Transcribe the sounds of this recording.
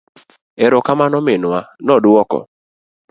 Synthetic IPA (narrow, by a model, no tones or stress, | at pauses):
ɛɾɔkamanɔmɪnʊanɔdʊwɔkɔ̰